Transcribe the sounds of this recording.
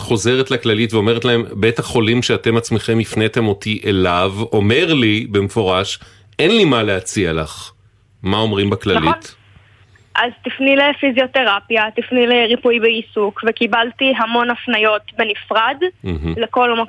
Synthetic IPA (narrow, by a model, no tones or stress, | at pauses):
χo̞ze̞ʁetlaklalitveo̞me̞ʁetlae̞mbetaχo̞limʃeate̞mat͡smeχe̞mifnet̪e̞mo̞tiʔelavo̞me̞ʁlibe̞mefo̞ʁaʃ | ʔenlimaleat͡sialaχ | mao̞mʁimbaklanalont | ʔazt̪ifnilefizjo̞te̞ʁapjat̪ifnileʁipujbeisukvekibaltiɦamo̞nafnajo̞t̪be̞nifʁadm̩ɦ̩leko̞lma